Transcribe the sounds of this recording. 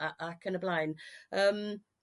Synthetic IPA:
aʔakʰənəblajnəːm

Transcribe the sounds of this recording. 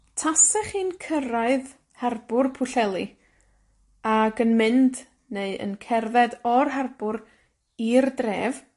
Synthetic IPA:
tʰasɛχiːnkʰəɾaɨð | hɛrbʊrpʰʊɬɛlˠi | aɡənmɪnd | neɨə̰nkʰɛrðɛdɔrɦɛrb̥ʊɾ | irdreːv

